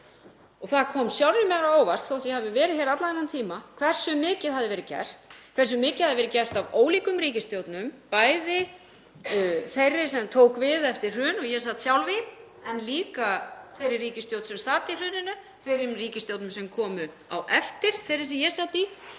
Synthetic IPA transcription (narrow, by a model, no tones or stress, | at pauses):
ɔɣθaðkʰɔːmsjawɾnɪmɛɣɾaoːwvar̥t̪θowaθjihavɪvɛːɾɪçɛːɾat̪laðajnːant̪ʰiːmakʰv̥ɛr̥sʏmɪːcɪðɦaðɪvɛːɾɪcɛ̰r̥t̪kʰvɛrs̬ʏmɪːcɪðhaðɪvɛɾɪcɛr̥t̪avoːwliːkʏmɾiːcɪst̪jowt̪nʏmpaːjðɪ | θejrːɪ̥sɛmt̪ʰoːwkvɪðɛft̪ɪɾ̥r̥ʏːnɔɣjɛs̬at̪sjawlvi | ɛnliːkaθejɾɪriːcɪst̪jowt̪sɛmsaːt̪ɪr̥ʏːnɪnʏ | θvejɾɪmriːcɪst̪jowt̪nʏmsɛmkʰɔːmʏ | a̰wʔɛft̪ɪɾ̥θejɾɪs̬ɛjɛsaːt̪i